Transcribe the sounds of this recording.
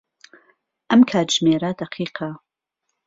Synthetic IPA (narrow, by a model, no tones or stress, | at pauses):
ʔɐmkʰaːt̪ʒmeːɾɐd̪̥ɐqʰiːqʰa